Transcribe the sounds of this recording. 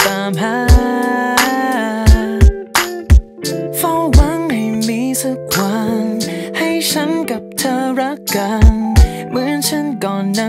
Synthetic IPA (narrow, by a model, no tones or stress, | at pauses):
t̪aːmɦa | fɔwaŋhajmisʰɯkʰwanhajt͡ɕʰankap̚t̪ʰəɾakːan | mɯənt͡ɕʰankɔnːa